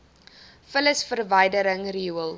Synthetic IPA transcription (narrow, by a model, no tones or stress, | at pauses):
fələsfərvəjdəɾəŋriuəlˠ